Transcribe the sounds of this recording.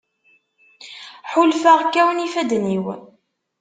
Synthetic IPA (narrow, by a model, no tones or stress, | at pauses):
ħʊlfəʁkːæwənifæd̪niw